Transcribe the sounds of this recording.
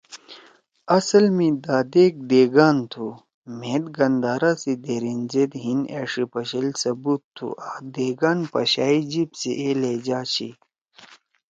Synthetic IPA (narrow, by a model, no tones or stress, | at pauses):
ɐsɐlmĩd̪aːd̪eːk̚d̪eːɡaːnt̪ʰu | meːd̪ɡɐnd̪aːɾaːsid̪eːɾinzed̪ɦineːʂipɐɕilsɐbut̪ʰːṵʔaːd̪eːɡaːnpɐɕaːid͡ʑibsḭʔeleːd͡ʑaːɕḭ